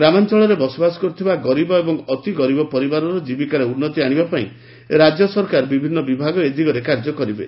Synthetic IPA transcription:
ɡɾamant͡ʃɔɭɔɾebɔsɔbasɔ̥kɔɾut̪ʰibaɡɔɾibɔebɔŋɔt̪iɡɔɾibɔpɔɾibaɾɔɾɔd͡ʒibikaɾeunːɔt̪iaɽ̃ibapaḭ̃ | ɾad͡ʒjɔsɔɾkaɾbibʱinːɔbibʱaɡɔed̪ʱikɔɾekaɾd͡ʒɔkɔɾibḛ

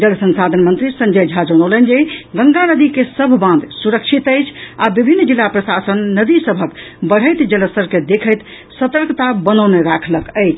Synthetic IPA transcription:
d͡ʒəlsə̃nsad̪ʱənmənt̪ɾisə̃ɲd͡ʒəjd͡ʒʱad͡ʒəɽ̃ələnd͡ʒeɡə̃ŋɡanəd̪ikesəbʱbãnd̪ʱsuɾəkʃʰit̪əjt͡ʃʰabibʱinːd͡ʒilːapɾəsasənːəd̪isəbʱək | bəɽ̤əjt̪d͡ʒəlsəɾked̪ekʰəjt̪ | sət̪əɾkʰt̪abənəwneɾakʰləkəjt͡ʃʰ

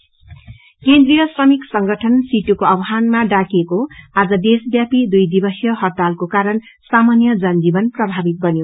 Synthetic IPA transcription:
kend̪rijʌsrʌmiksʌŋɡʌʈʰʌnsiʈukoʌbɦanmaɖakiekoad͡zʌd̪esbjapid̪ujd̪ibʌsjʌɦʌt̪alkokaɾʌn | samanjʌd͡zʌnd͡zibʌnprʌbʱabit̪̚bʌnjo

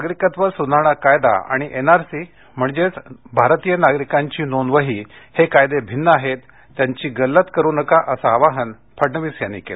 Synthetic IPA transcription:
naɡɾikat̪ʋəɾsunaɽ̃akajd̪a̰a̰ɽ̃iʔenaɾsi | m̤əɳd͡ʑet͡sbʱaɾt̪ijənaɡɾikaɲt͡ɕiːnonʋəɦiːhekajd̪ebʱinːəaɦet̪ː | jaɲt͡ɕiːɡəlːət̪kəɾuːnəkaʔəsaːʋaɦən | pʰəɽnəʋiːsjanːḭkḛle

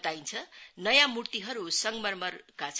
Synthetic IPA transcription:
t̪aint͡sʰʌnʌjãmuɽt̪iɦʌɾusʌŋɡmʌrmʌrkat͡sʰ

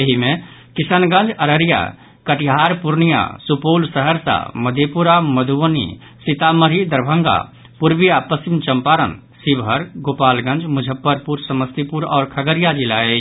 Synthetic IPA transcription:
jəɦimẽkɪsənɡə̃nd͡ʒəɾəɾija̰ | kəʈiɦaɾpuɾnija̰supoːlsəɦəɾsa̰məd̪ʱepuɾaməd̪ʱuʋənḭ | sit̪aməɾid̪əɾbʱə̃ŋɡa̰ | puɾbijapəst͡ʃimt͡ʃəmpaɾə̰n | sibɦəɾɡoːpaːlɡə̃nd͡ʒmʊd͡ʒʱəpːəɾpuɾsəməst̪ipuɾɔ̰ːɾkʰəɡəɾijad͡ʒilaed͡ʒʰ

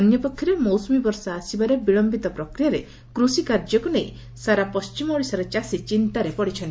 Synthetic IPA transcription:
ɔnjɔpɔkʰːjɔɾemɔwsɔmibɔɾsaːsibaɾebiɭɔmbit̪ɔpɾɔkɾijaɾe | kɾusikaɾd͡ʒɔkuneĩ | saɾapɔst͡ʃimɔɽisaɾet͡ʃasit͡ʃint̪aɾepɔɽit͡ʃʰɔnt̪i

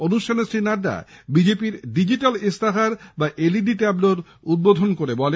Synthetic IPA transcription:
onuʃʈʰanesɾinaɖa̰bid͡ʑepiɾɖid͡ʑiʈalest̪aɦaɾbaʔeliɖiʈɛbloɾ | ud̪̚bod̪ʱonkoɾebɔle

